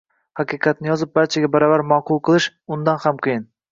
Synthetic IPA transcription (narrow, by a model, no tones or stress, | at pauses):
hɑqʰɨqʰɑt̪̚nɪjɒzɪp̚baɾt͡ʃʰaɡʲabaɾɒvaɾmɒqʊlˠqʰɨlˠɪʃʊnd̪anhamqʰɨjɪn